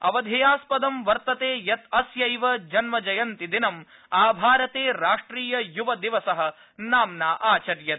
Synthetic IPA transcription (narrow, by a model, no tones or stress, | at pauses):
ɐ̰ʋɐd̪ʱejaːspɐd̪ɐmʋɐɾt̪ɐt̪eːjɐt̪ɐsjɐjʋɐd͡ʒɐnmɐd͡ʒɐjɐnt̪id̪inɐm | aːbʱaːɾɐt̪eːɾaːʂʈɾiːjɐjuʋɐd̪iʋɐsɐɦɐ̆ | naːmnaːʔaːt͡ʃɐɾjɐ